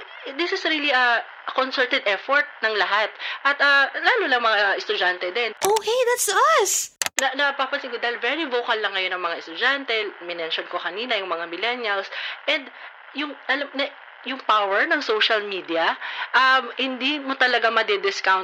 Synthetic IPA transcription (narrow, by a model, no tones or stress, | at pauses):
d̪ɪsɪsɾiːliɐ | konsɛlt̪ɛd̪ʔɛfoɹt̪̚nɐŋlɐɦat̪ʔɐt̪ɐlaːlolɐŋmɐŋaɛst̪ʊd͡ʒant̪ɛd̪ɛnʔowkejðat̪sɐsnɐnɐpapɐsɪɡʊd̪ɐɪlvɛɾivokɐlːɐŋːɐjo̞nɐŋmɐŋaɛst̪ʊd͡ʒant̪ɛmɪnɛnʃonkokɐniːnɐjʊŋmɐŋamɪlɛnjɐlsʔɛ̃nd̪̚ | jʊŋʔɐlamnɐ | jʊŋpawɛɹnɐŋsowʃɐlmiːd̪iɐʔɐmhɪnd̪imot̪ɐlɐɡamɐd̪ɛd̪ɪskawn